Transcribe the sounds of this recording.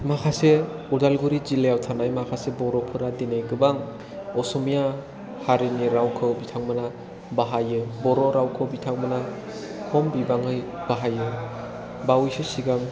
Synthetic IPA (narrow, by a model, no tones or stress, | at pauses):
makʰaseudalɡuɾizilejawtʰanajmakʰasebɔɾɔpʰɯɾadinajɡɯbaŋ | ɔsɔmija | haɾiniɾawkʰɯwbitʰaŋmɯna | baɦajɯbɔɾɔɾawkʰɯwbitʰaŋmɯna | hɔmbibaŋɯjb̥aɦajɯ | bawjsesiɡaŋ